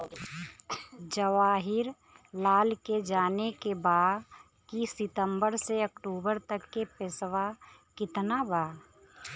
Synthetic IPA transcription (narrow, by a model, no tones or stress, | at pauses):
d͡ʒəʋaːɦɪɾ | laːlked͡ʒaːnekebaː | kisɪt̪ə̃mbəɾseɐkʈuːbəɾt̪əkːepɪsʋakɪt̪nabaː